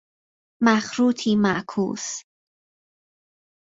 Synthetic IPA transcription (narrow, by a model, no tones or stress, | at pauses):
mæxɾuːt̪ʰiːmæʔkʰṵːs